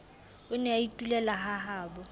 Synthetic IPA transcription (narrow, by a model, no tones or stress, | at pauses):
ʊnɛaitʼulɛlaɦaɦaːbɔ